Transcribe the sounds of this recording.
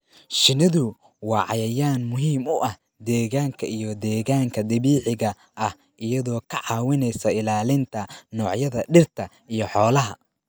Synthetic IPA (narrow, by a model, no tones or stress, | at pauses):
ʃɪnɪðʊ | wɑːʕɑ̰jɐjaːnmʊɦiːmʊʔɐh | d̪ɛːɣaːŋkʰɐʔijɔd̪ɛːɣaːŋkʰɐd̪ɐβiːħɪɣɐ | ʔɐh | ʔɪjɐðɔːkʰɐʕɑːwɪnɛjsɐɪlaːlɪnt̪ʰɐnɔːʕjɐðɐɖɪrt̪ʰɐ | ijɔħɔːlɐɦɐ